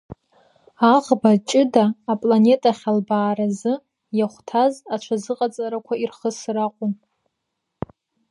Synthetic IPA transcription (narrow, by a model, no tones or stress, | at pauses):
aʁbat͡ʃʼɪdaːpʼlane̞tʼaχʲalbaːɾazɨ | jaχʷtʰazat͡ʃʷʰazɨqʼat͡sʼaɾakʷʰairχəsraqʷʼum